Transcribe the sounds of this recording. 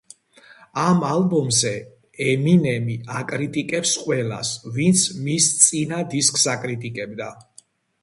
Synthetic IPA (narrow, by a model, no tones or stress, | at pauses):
amalbɔmzɛ | ɛminɛmiakʼɾit̪ʼikʼɛpsqʼwɛla̰svint̪sʰmist̪sʼinad̪iskʼsakʼɾit̪ʼikʼɛbd̪a